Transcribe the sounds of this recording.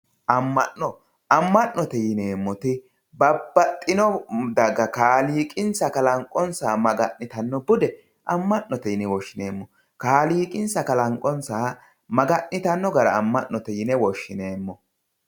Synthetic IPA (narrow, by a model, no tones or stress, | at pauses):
ʔɐmːɐʔnɔ | ɐmːɐʔnːɔt̪ɛjɪneːmːɔt̪ɪ | bɐbːɐt̪ʼːɪnɔd̪ɐɡɐkaːliːkʼɪnsɐkɐlɐŋkʼːɔnsaːmɐɡɐʔnɪt̪ɐnːɔbʊd̪ɛ | ʔɐmːɐʔnɔt̪ɛjɪnɛwɔʃːɪneːmːɔ | kaːliːkʼɪnsɐkɐlɐŋkʼɔnsaː | mɐɡɐʔnɪt̪ɐnːɔɡɐɾɐ̰ːmːɐʔnːɔt̪ɛjɪnɛwɔʃːɪne̞ːmːɔ